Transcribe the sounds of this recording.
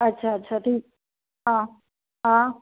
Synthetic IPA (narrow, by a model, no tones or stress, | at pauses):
ətːɕʰaətːɕʰat̪ʰiːk̚ | ɦã | ɦã